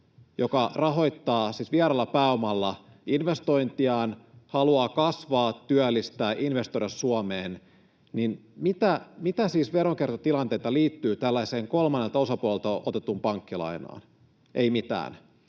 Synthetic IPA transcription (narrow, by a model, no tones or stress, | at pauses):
jokɑrɑɦo̞jt̪ːɑːsiːsʋieɾɑlːɑpæomɑlːɑ | inʋest̪o̞jnt̪iɑːnhɑluɑːkɑsʋɑːt̪ːyælːist̪æːʔinʋest̪oiɑssuɑmeːn | ninmit̪æmit̪æsiːsʋeɾoŋkert̪ot̪ilɑnt̪eijt̪ɑliːt̪ːyːt̪ælːæiseːŋkolmɑnːelt̪ɑo̞sɑpuɑlelt̪oʔot̪et̪ːumpɑŋkːilɑ̰ino̰ɑ̰ːn | ʔeimit̪æ̰ːn